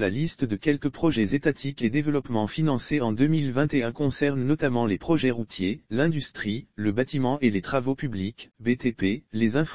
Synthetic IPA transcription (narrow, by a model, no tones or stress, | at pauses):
lalist̪d̪əkʲɛlkəpχɔʒɛzet̪at̪ʰiked̪evəlɔpmɑ̃finɑ̃seɑ̃d̪ømilvɛ̃t̪eɛ̃kɔ̃sɛʁnnɔt̪amɑ̃lepχɔʒɛʁut̪jelɛ̃d̪yst̪χiləbat̪imɑ̃ʔelet̪χavopyblikbet̪epelezɛ̃f